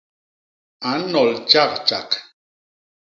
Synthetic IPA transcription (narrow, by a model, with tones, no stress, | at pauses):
a˨˦nɔ˨lt͡ʃa˦˨k̚t͡ʃa˨k